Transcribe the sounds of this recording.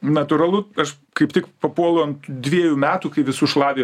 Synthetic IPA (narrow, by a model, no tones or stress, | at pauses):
nɐt̪ʊɾɐlˠʊɐʃ | kɐɪpt̪ʲɪkpɐpuɔlˠoːnd̪ʲʋʲiɛjuːmʲæːt̪uːkɐɪʋʲɪsuːʃlˠɑːʋʲeː